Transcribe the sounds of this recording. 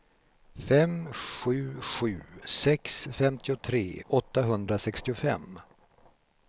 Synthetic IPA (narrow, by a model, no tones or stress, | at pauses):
fɛmɧʉ̟ːɧʉ̟̰ːsɛksfɛmt̪ʰɪʊt̪ʰɾḛːʔɔt̪ːaɦɵnd̪ɾasɛkst̪ɪʊfɛ̰mː